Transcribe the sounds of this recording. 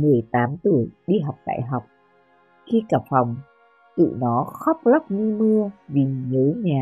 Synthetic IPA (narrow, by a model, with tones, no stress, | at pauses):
mɨ˨˩əjt̪aː˨˦mt̪ɨ˧˩əjɗi˧ɦa˨˩wk͡p̚ɗa̰ː˧˨jɦa˨˩wk͡p̚ | xi˧kaː˨˧˩p̚fa˨˩wŋ͡m | t̪ɨ̰˧˨nɔ˨˦xɔ˦˥k͡p̚la˦˥p̚ŋi˧mɨ˧əvi˨˩ɲəː˨˦ɲaː˨˩